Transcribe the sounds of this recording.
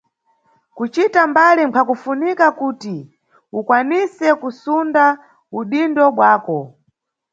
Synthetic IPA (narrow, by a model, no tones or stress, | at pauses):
kut͡ʃitambalimpʰakufunikakuti | ukwanisɛkusunda | uɗindɔɓwaːkɔ